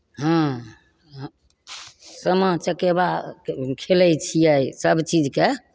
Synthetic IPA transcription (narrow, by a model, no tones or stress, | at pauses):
ɦã | səmət͡ʃəkebakʰeləjt͡ʃʰijəjsəbt͡ʃid͡ʒke